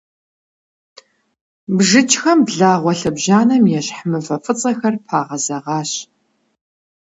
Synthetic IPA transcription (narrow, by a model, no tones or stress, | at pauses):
bʐɨt͡ʃʰʼxɐmbɮaːʁʷɔɬɐbʒaːnɐmjɛɕħmɨfɐfɨt͡sʼɐxɐrpʰaːʁɐzɐʁɑːɕ